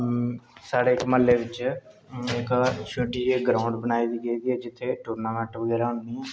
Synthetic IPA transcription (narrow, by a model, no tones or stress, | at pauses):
saːɽeːɪkməlːeːʋɪt͡ʃ | ɪkʃoɖiːeɡɾãːʊ̃ɳɖbənaːiːd̪iːɡeiːd̪iːɛːd͡ʒɪt̪ʰːeːʈoːɾnaːmɛ̃ʈʋəɡɛːɾaːɦʊnd̪iːɦɛ̃ː